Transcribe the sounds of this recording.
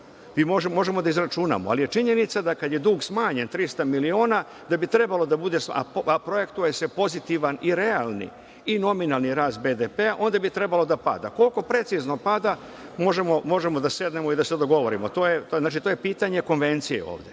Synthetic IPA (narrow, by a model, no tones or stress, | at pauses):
ʋimo̞ʒemo̞ʒe̞mo̞d̪aizɾat͡ʃuna̰moa̰lije̞t͡ʃiɲe̞nit̪sad̪akad̪jed̪uːɡsmaːɲe̞nt̪ɾist̪amilio̞ːna | d̪abit̪ɾe̞balo̞d̪abud̪e̞sa̰pɾo̞je̞kt̪uje̞se̞po̞zit̪iʋaniɾe̞alnḭ | ino̞minalˠniɾaːst̪̚be̞d̪epeaʔo̞ːnd̪abit̪ɾe̞balo̞d̪apa̰d̪a̰ko̞lko̞pɾe̞t̪sizno̞pad̪a | mo̞ʒemo̞mo̞ʒe̞mod̪ase̞d̪ne̞moid̪ased̪o̞ɡo̞ʋo̞ɾimot̪oːjet̪onaːt͡ʃit̪ojepiːt̪aɲe̞ko̞nʋe̞nt̪sije̞̰o̰ːʋd̪e